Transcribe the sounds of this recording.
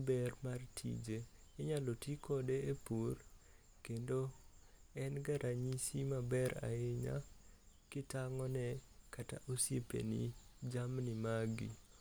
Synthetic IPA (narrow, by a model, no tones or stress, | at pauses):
bɛrmartʰḭd͡ʒeː | ɲalotikɔdeepur | kendo | ɛnɡaɾʔaɲisimabɛɾa̰ɪɲa̰kɪtaŋɔnɛkata̰ʔosjepḛnḭd͡ʒamnɪmaɡḭ